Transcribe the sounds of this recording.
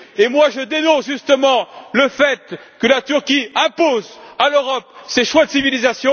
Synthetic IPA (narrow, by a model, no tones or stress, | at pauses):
emwaʒəd̪enɔ̃sʒyst̪əmɑ̃ləfɛt̪kəlat̪yʁkʲiɛ̃pozaløʁɔpseʃwad̪əsivilizasjɔ̃